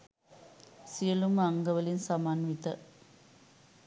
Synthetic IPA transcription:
sijəluməaŋɡəʋəlinsamanʋit̪ə

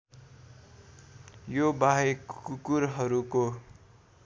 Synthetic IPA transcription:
jobaɦekkukuɾɦʌɾuko

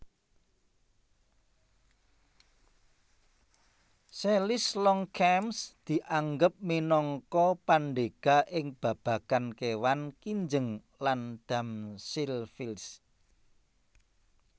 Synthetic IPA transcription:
selɪslɔŋkʰɛmsd̪̥i̤ʔaŋɡəp̚minɔŋkɔpanɖeɡ̥a̤ʔɪŋb̥a̤b̥ä̤kankewankiɲd͡ʒəŋ | land̪̥a̤msilfils

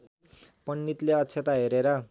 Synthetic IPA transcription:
pʌnːit̪leʌtːt͡sʰet̪aɦeɾeɾʌ

